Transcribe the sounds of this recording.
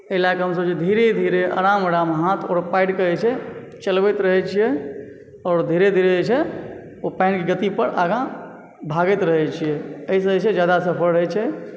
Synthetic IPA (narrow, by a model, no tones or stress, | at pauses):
əlakeɦəmsəbt͡ʃʰed̪ʱiɾed̪ʱiɾeʔa̰ɾaməɾamɦat̪ʰɔːɾpaɪʈkəɛt͡ʃʰɛ | t͡ʃəlbɛt̪ɾəɦɛt͡ʃʰijɛ | ɔːɾd̪ʱiɾed̪ʱiɾed͡ʒet͡ʃʰɛ | opãɪnkeɡət̪ipəɾʔaɡã | bʱaɡət̪ɾəɦɛt͡ʃʰijɛəis̬ə̃d͡ʒet͡ʃʰed͡ʒjad̪asəpʰəɾɦɛt͡ʃʰɛ